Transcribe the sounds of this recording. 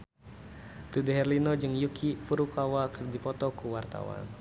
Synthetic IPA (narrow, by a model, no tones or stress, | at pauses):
t̪udɛɦɛrlinɔd͡ʒɨŋjukʰifuɾukawakɨrdipɔt̪ɔkuwart̪a̰wa̰n